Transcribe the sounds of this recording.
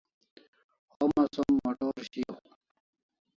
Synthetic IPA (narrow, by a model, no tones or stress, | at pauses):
omɐsomːɐʈoːɾɕijo̰